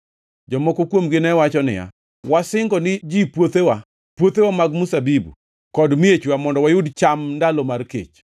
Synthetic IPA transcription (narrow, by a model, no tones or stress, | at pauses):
d͡ʒɔmɔkokwomɡɪnɛwat͡ʃɔnɪ̰ja̰ | wasɪŋɡɔnɪd͡ʒipwot̪ewa | pwot̪ewamaɡmusabibṵ | kɔdmiet͡ʃwamɔndɔwajʊdt͡ʃamndalɔmarkḛt͡ʃ